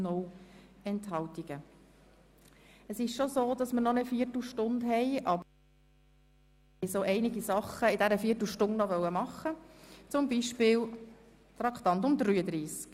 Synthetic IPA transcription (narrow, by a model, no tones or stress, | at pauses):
nɔwɛnthɑwtiɡ̥ə | əsɪʃʃozoːd̥ɑsməɾnɔnɛfiːəɾtl̩ʃtʊndɦɛjʔɑb | ɛjsoʔɛɪnɪɡisɑχəɪdæɾəfiːətl̩ʃtʊndnɔʋœwəmɑχːət͡sʊmbiːʃpɪːl | t̪ɾɑkʰt̪ɑnt̪̬ʊmd̪ɾyːəd̪ɾiːsk